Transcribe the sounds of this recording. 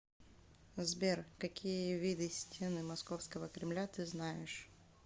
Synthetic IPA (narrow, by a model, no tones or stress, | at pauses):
zbʲerkɐkʲʰijəvʲid̪ɨsʲtʲʰenɨmɐskofskəvəkɾʲɪmlʲat̪ɨznajɪʂ